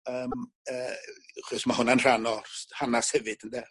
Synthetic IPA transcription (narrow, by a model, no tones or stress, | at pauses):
əːm | əːχɔsmahʊnanr̥anɔrhanashɛvɨd̥əndɛ